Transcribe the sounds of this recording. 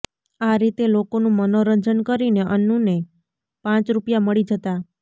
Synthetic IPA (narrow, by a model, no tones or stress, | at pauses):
aɾit̪elokonũmənoɾəɲd͡ʒənkəɾineʔənːũne | pãt͡ʃɾupjaməɭid͡ʒət̪a